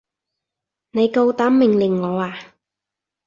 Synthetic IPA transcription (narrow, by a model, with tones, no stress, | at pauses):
ne˨˧jko˧wt̪aː˨˥mːɪ˨ŋlɪ˨˩ŋːɔː˨˧aː˨˧